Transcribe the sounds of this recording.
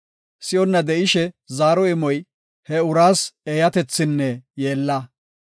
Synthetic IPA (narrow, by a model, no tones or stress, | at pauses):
sɪjɔnːɐd̪ɛʔɪʃɛ | zaːɾɔɪmɔj | hɛʊɾaːseːjɐt̪ɛt͡sːɪnːɛjeːlːɐ